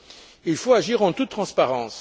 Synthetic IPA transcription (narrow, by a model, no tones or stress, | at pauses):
ilfoaʒiʁɑ̃t̪ut̪ːχɑ̃spaʁɑ̃s